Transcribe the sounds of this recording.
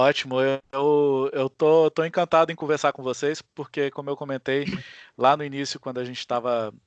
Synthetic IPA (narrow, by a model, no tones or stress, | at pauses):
ɔt͡ʃimʊeewewt̪ot̪oẽkɐ̃nt̪ad̪ʊẽkõveɾsaɾkõvosejspoɾkekõmʊewkõmẽnt̪ejlanʊinisjʊkwɐ̃d̪ʊaʒẽnt͡ʃɪ̥t̪avɐ